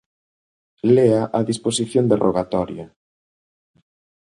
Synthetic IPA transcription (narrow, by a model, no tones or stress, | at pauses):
leaʔɐðisposiθjond̪erʔoɣat̪ɔɾja